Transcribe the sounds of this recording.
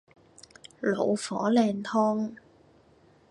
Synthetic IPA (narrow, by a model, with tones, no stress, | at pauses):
lo̰˨˧wfɔ̰ː˨˥lɛː˧nt̪ʰɔː˥ŋ